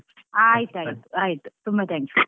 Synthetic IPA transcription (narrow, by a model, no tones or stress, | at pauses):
ajt̪ajt̪ajt̪t̪umbat̪ʰɛ̃ŋks